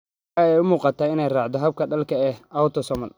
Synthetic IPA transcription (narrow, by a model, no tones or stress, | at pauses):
ɑɛjʊmuːqɑt̪ʰaːɪnɛjraːʕd̪ɔɦɐb̚kʰɐɖɐlkʰɐɛːhawt̪ʰɔsɔmɐl